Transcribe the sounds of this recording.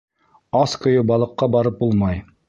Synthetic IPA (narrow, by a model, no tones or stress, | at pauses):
ɑskʰojʊbɑlˠəqːɑbɑɾɨp̚bulˠmɑj